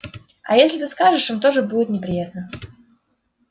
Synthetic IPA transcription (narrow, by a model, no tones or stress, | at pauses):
ɐ̰jesʲlʲɪt̪ɨskaʐɨʂɨmt̪oʐɨbudʲɪt̪nʲɪpɾʲɪjat̪̚nə